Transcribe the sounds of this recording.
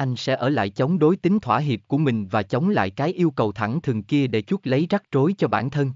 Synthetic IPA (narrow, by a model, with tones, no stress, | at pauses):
ʔa˧jŋsɛ̰˧˥ʔəː˧˩la̰ː˧˨jt͡ɕə˨˦wŋ͡mɗo˨˦jt̪ï˨˦ŋ̟t̪ʰwaː˧˩ɦi˨˩əp̚ku˧˩əmï˨˩ŋ̟vaː˨˩t͡ɕə˨˦wŋ͡mla̰ː˧˨jkaː˨˦jʔi˧əwkə˨˩wt̪ʰa˧˩ŋt̪ʰɨ˨˩əŋki˧əɗe˧˩t͡ɕu˦˥t̚lə˨˦jza˦˥k̚t͡ɕo˨˦jt͡ɕɔ˧ɓaː˧˩nt̪ʰə˧n